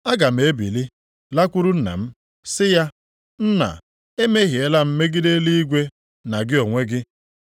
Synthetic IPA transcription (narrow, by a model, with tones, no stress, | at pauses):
a˦ɡa˨m̩˨e˨˦bḭ˨li˦ | la˦kʷu˦ɾu˦n̩˦na̰˨m̩˦ | sɪ˦ja˦ | n̩˦na̰˨ | e˦me˦ɦje˦la˦m̩˦me˦ɡɪ˦de˦li˦i˦ɡʷe˦ | na˨ɡɪ˦o˨ŋʷe˦ɡɪ˦